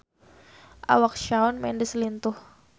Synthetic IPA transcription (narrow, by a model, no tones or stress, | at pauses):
ʔa̰wak̚ʃaʊnmɛ̰ndislint̪ʊh